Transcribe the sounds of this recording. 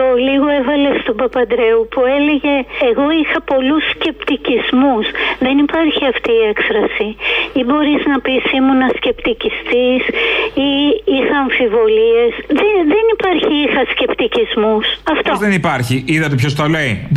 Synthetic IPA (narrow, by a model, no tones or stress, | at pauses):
oliɣo̞evɐle̞st̪obɐpɐd̪ɾe̞upue̞le̞ʝe̞ːɣo̞ixɐpo̞lusce̞pt̪icizmusðe̞nipɐɾçiɐft̪iːekfɾɐsiibo̞ɾiznɐpisimunɐsce̞pt̪icist̪isiixɐːɱfivo̞lie̞sðeðe̞nipɐɾçiixɐsce̞pt̪icizmusɐft̪ozðenipɐɾçiiðɐt̪epços̬t̪olei